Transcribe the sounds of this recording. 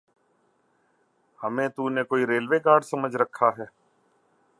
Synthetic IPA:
həmẽːt̪uːneːkoːiɾeːlʋeːkaːɾɖsəməd͡ʒʱɾəkʰːaːɦɛː

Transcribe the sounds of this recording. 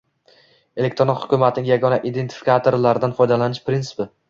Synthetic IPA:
e̞lek̚t̪ɾonɒt̪hʊ̥kʲʊmat̪ʰɪnɪŋjaɡɒnaʔid̪e̞nt̪ʰɪ̥fikʰat̪ʰoɾlaɾɪd̪anfɒjd̪alanɪʃpɾintsɪ̥pɪ

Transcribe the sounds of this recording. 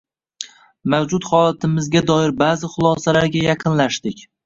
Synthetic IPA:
mawd͡ʒʊt̪χɒlˠat̪ʰɪmɪzɡʲad̪ɒɪɾbaːzɪχʊlˠɒsalaɾɡʲajɑqʰɨnlaʃt̪ɪkʲ

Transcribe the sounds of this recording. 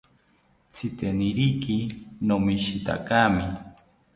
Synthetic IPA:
t͡sʰit̪eniɾikinomiʃit̪a̰kami

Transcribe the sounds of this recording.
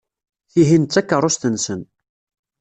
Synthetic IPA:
θiɦint̪ːækːəɾˤʊst̪ənsən

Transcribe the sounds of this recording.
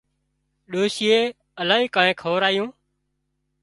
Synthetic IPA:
ɗoːʃɪːeː | əlaːɦiːkãːẽːkʰəʋəɾaːjõː

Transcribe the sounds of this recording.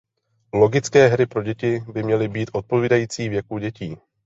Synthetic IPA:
lo̞ɡɪt͡skɛːɦɾɪpɾo̞ɟɛcɪbɪmɲɛlɪbiːt̪ʔo̞t̪̚po̞viːdajiːt͡siːvjɛkuɟɛciː

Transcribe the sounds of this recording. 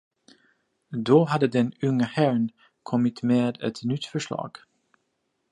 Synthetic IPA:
doːɦadədɛnʏŋəhɛɹn | kʰɔmɪtmeːdə̰tnytfəɹslɑ̰ːk

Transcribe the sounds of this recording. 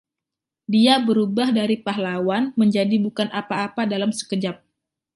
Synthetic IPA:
diabəɾubahdaɾipaɦlawanməɲd͡ʒadibukanʔapaːpadalamsə̥kəd͡ʒap̚

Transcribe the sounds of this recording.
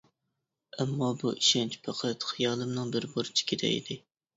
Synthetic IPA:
ɛmːɑbuʔiʃɛnt͡ʃʰpʰɑqʰət̪χijɑːlˠɨmnɨŋbɪɾboɾt͡ʃʰi̥kʲʰeɾɛ̰ḭd̪̥ɪ

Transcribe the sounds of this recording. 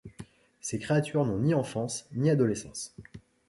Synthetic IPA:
sekχeat̪ʰyʁnɔ̃niɑ̃fɑ̃sniad̪ɔlesɑ̰̃s

